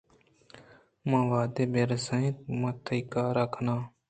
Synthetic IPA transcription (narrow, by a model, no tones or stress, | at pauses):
mãːʋaːd̪eːbeɾsə̃ĩt̪̚mət̪ʰəikaːɾəkʰnaː